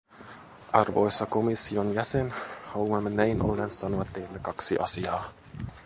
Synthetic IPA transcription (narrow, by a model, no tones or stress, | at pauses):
ʔɑrʋo̞̰jsːɑkomisːionjæsenhɑluɑmːenæjnʔo̰lːensɑnoɑt̪ːejlːekɑksiʔɑ̰siɑː